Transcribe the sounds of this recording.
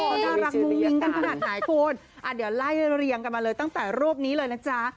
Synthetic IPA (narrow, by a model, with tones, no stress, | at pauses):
ɔ˨˩kʰaː˥˩ɾa˦˥k̚mo˧ŋi˧˦ŋka˧nkʰa˧naː˨˩t̪̚naː˩˦jkʰoː˧˩n | ʔa˨˩di˨˩˦əwla˥˩jɾi˧əŋka˧nmaː˧lɤː˧jt̪a˥˩ŋt̪ɛː˨˩ɾuː˥˩əp̚niː˦˥lɤː˧jna˦˥t͡ɕa˦˥